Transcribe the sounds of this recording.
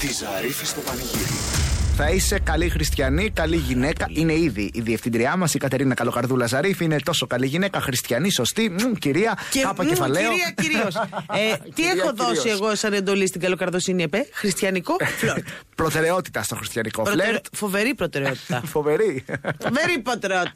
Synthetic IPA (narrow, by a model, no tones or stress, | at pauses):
t̪izɐɾifist̪opɐniʝiɾḭθɐise̞kɐlixɾist̪çɐnikɐliʝine̞kɐʔine̞iðiʔːðieft̪ind̪ɾiɐmɐsikɐt̪e̞ɾinɐkɐlo̞kɐɾðulɐzɐɾifiine̞t̪o̞so̞kɐliʝine̞kɐxɾist̪çɐniso̞st̪iciɾiɐckɐpɐefɐleoɾiɐciɾioset̪iexo̞ðo̞sieɣo̞esɐne̞nd̪o̞list̪iɡɐlo̞kɐɾðosiniepexɾist̪çɐniko̞floɾpɾot̪e̞ɾe̞o̞t̪i̥t̪ɐst̪oxɾist̪çɐnikopɾleɾt̪fo̞ve̞ɾipɾot̪e̞ɾeot̪i̥t̪ɐfove̞ɾioveɾipɾot̪eɾeot̪